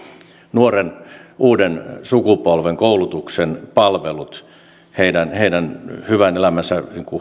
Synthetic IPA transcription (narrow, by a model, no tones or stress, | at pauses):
nuorenuːdensukupolʋeŋkoulut̪uksenpɑlʋelut̪ | heidænheidænhyʋænelæmænsæniŋku